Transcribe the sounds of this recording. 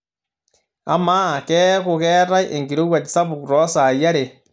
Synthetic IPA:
a̰˨˦ma˦˨kɛ˦ɣo˨ɣɛ˦ɾa˦ʔe˨ŋɡi˨ɾo˦wa˨ti˨sa˦βu˨ku˨ɾɔ˦sa˨ja˦ɾe˨

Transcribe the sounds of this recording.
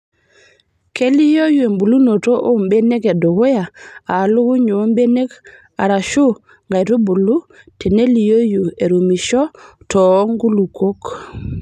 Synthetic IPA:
ke˦li˦jo˦ju˨e˨mbu˨lu˦no˨to˦ʔo˦mbe˦ne˦ke˨du˨ɡu˦ja˨a˨lu˦ɡu˦ɲu˨˦mbe˦ne˦k | a̰˨ɾa˨ʃu˦ | ŋɡa˨jtu˦bu˨lu˦ | te˨ne˦li˨jo˦ju˨e˨ɾu˨mi˨ʃɔ˦ | tɔː˨˦ŋɡu˦lu˨ko˦k

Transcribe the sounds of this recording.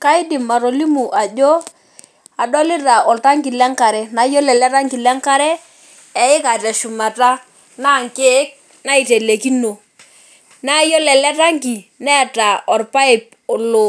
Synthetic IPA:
ka˦ɪ˦di˨ma˨ɾo˨li˦mu˨ʔa˨d͡ʒo˦ | a˨dɔ˦lɪ˦ɾa˨ɔ˨lta˦ŋki˨lɛ˦ŋka˨ɾɛ˨na˨˦jo˦lɛ˨lɛ˦ta˦ŋki˨lɛ˦ŋka˦ɾɛ˦ | ɛ˨ɪ˦ka˨tɛ˨ʃu˨ma˨ta˦ | na˦˨ŋke˦k̚ | na˦i˨te˨le˨ki˦no˨ | na˦jo˦lɛ˨lɛ˦ta˦ŋki˨nɛ˦˨ta˨ɔ˨rpa˦ɪ˨p̚ | lo˨

